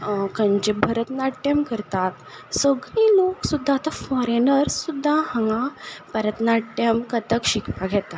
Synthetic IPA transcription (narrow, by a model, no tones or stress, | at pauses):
kənd͡ʑebʱəɾət̪naʈemkəɾt̪at̪ | səɡɽĩːloksud̪ʱːaːt̪afɔɾenəɾsud̪ʱːahə̃ŋɡapəɾət̪naʈemkət̪əkɕikpaɡʱɛt̪a